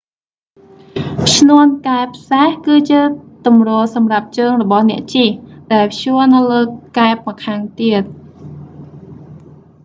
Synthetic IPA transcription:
t͡ɕʰnuənkaɛpʰsehkɨːt͡ɕiət̪umroːlsɑmrap̚t͡ɕəːŋrɔɓɑhnɛ̆əʔt͡ɕihɗaɛlpʰjuənɨwləːkaɛpɑkʰaːŋt̪iət̪̚

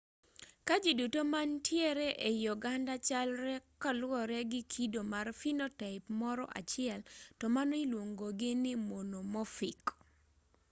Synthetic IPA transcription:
kad͡ʒidutomantʰjɛɾɛʔejɔɡandat͡ʃalɾɛkɔlwɔɾɛɡɪkʰidomarfinotɛɪpmɔɾɔ̰ʔa̰t͡ʃɪɛltɔmanɔilwoŋɡoɡɪnɪmonomɔfɪk

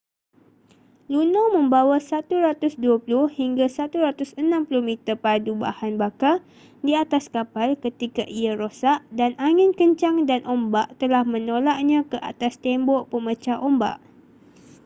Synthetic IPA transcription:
lunãwmə̃mbawasat̪uɾat̪ʊsduapulʊhhiŋɡasat̪uɾat̪ʊsənãmpuluhmit̪əpaduba̰hanbaka | diat̪askapalkət̪ikaʔiaɾosaʔdanʔaŋɪ̃nkəɲt͡ʃaŋdanʔombaʔt̪əlahmə̃nolaʔ̚ɲãkəʔa̰t̪ast̪ɛmbɔʔpəmət͡ʃaʔomba̰ʔ

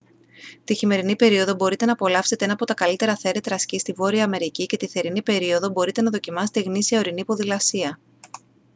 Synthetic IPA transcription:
t̪içime̞ɾinipe̞ɾio̞ðo̞bo̞ɾit̪e̞nɐpo̞lɐfse̞t̪enɐpo̞t̪ɐkɐlit̪e̞ɾɐθe̞ɾe̞t̪ɾɐscist̪ivo̞ɾiɐːme̞ɾicice̞t̪iθe̞ɾinipe̞ɾio̞ðo̞bo̞ɾit̪e̞nɐðo̞cimɐset̪eɣnisiɐoɾinipo̞ðilɐsiɐ

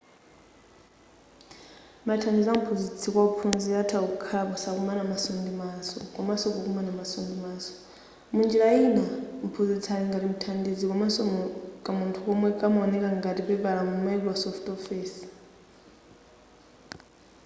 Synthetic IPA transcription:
matʰandid͡zam̩pʰuzit͡sʰikwaupʰunziatʰauukʰapɔsakumanamasɔndimasɔ̰kamasɔkɔkumanamasɔndimaːsɔ̥ | mund͡ʒilainam̩pʰuzit͡sʰaliŋɡatim̩tʰandid͡zikamasɔkʼamuntʰuɔmwɛkʼamaɔnɛkaŋɡatipɛpalamumɛlasɔftɔfiːs

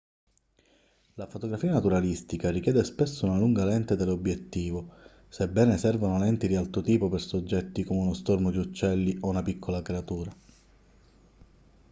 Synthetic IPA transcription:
lafot̪oɡɾafiːanat̪uɾalist̪ikarikjɛːd̪espesːounaluŋɡalɛnt̪ed̪elobːjet̪ːiːvo | sebɛːnesɛrvanolɛnt̪id̪ialt̪ɾot̪iːpopersod͡ʒːɛt̪ːikomeunost̪ormod̪iut͡ʃːɛlːiʔounapikʰːolakɾeat̪uːɾa

